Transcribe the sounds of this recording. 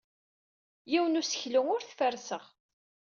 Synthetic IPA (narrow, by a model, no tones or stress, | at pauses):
jiwənusə̥çləŋʊɾθfəɾsəʁ